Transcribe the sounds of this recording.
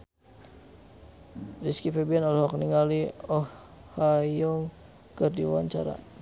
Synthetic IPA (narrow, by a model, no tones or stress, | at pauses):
riskipɛbiɛnɔlɛɦɔk̚niŋaliɔhː | ajɔŋ | kərdiwa̰ɲt͡ʃa̰ɾa̰